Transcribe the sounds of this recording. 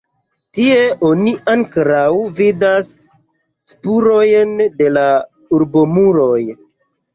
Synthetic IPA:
tie̞ʔo̞niʔaŋkɾawvidasː | puɾojnde̞la | uɾbo̞muɾo̞j

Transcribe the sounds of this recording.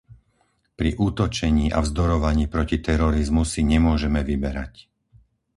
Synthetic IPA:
pɾiʔuːt̪ɔt͡ʃɛɲiːʔa̰vzd̪ɔɾɔʋaɲiːpɾɔcit̪ɛɾɔɾizmusiɲɛmʊɔʒɛmɛʋibɛɾa̰c

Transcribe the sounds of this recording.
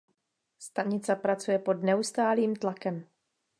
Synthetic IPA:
st̪aɲɪt͡sɛpɾat͡sujɛpo̞dnɛust̪aːliːmt̪lakɛm

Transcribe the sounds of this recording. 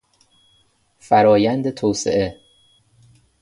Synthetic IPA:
fæɾɒːjænd̪et̪ʰoːsḛʔe

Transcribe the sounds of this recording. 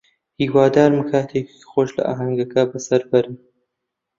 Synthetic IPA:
hiːwaːd̪aːɾmɨkʰaːt̪ʰeːkikxoːʃlɐ̰ʔa̰ːɦɐŋɡɐkɐbɨsɐɾbɐɾɨn

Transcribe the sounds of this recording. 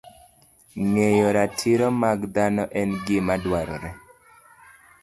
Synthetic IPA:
ŋejɔɾatʰiɾɔmaɡd̪anɔʔɛnɡɪmadwaɾɔ̰ɾɛ

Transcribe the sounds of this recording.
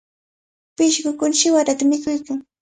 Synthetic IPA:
pɪʃkʊkʊnʃɪwaɾat̪amɪkʊjkaŋ

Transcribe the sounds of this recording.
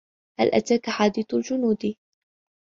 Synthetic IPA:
ha̰lʔa̰t̪aːkaħaːd̪iːθald͡ʒʊnuːd̪

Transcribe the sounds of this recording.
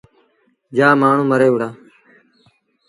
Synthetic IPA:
d͡ʒaːmaːɳ̤ũːməɾeːʊɽaː

